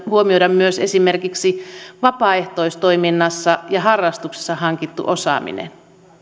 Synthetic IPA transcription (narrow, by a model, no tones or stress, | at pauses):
huomiodɑmmyøsesimerkiksiʋɑpɑːeht̪oist̪ojminːɑsːɑjɑɦɑrːɑst̪ukse̥sːɑhɑŋkit̪ːṵʔosɑ̰ːmḭnḛn